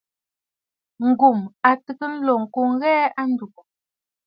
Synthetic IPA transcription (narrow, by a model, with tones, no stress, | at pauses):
ŋ̩˨ɡu˨ma˨tə˨kə˦n̩˦lɔ˨ŋ̩˨ko˨ŋ̩˦ɣɛː˦a˦n˦du˨k